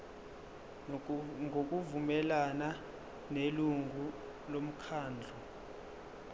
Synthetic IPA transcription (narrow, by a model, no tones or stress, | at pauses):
ŋok̬ʼuvumɛlana | neluŋu | lom̩kʰaːnd͡ɮʱɔ